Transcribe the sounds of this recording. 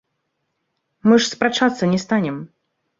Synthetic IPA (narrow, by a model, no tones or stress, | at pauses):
mɨʂspɾat͡ʂat̪sːɐnʲɛst̪anʲɛm